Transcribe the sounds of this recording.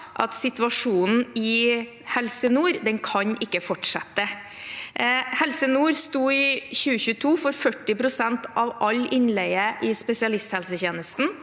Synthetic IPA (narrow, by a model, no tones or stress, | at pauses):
ʔɑt̪sɪt̪ʋɑʂuːnn̩ɪ | hɛlsənuːɾd̪ɛnkʰɑɲʔɪkːəfɔʈʂɛt̪ːə | hɛlsənuːɾst̪uːɪçʉːəçʉːət̪ʰuːfɔɾfœʈːɪpʰɾʊsɛnt̪ɑʋʔɑlːʔɪnlɛɡəʔɪspɛsɪɑlɪst̪hɛlsəçeːnəst̪n̩